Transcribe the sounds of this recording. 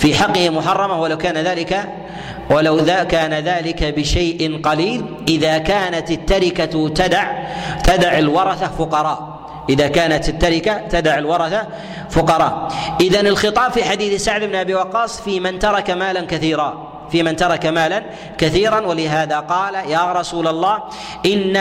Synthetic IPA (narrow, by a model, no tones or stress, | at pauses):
fiːħɑqːɪhɪmʊħɑrˤːɑmahwalawkaːnaðaːlɪka | walawðakaːnaðaːlɪkabɪʃajʔɪnqɑliːlʔɪðakaːnat̪ɪt̪ːaɾɪkat̪ad̪aʕt̪ad̪aʕalwɑɾˤɑθafʊqɑɾˤɑːʔ | ʔɪðakaːnat̪ɪt̪ːaɾɪkat̪ad̪aʕalwɑɾˤɑθa | fʊqɑɾˤɑːʔʔɪðanɪlxɨt̪ˤɑːbfiħad̪iːθsaʕd̪ɪbnʔabiːwɑqːɑːsˤfiːmɪnt̪ɑɾˤɑkamaːlankaθiːɾˤɑ | fiːmɪnt̪ɑɾˤɑkamaːlan | kaθiːɾˤanwalɪɦaːðaqɑːlajaːɾˤɑsuːlalˤːɑːh | ʔɪnːa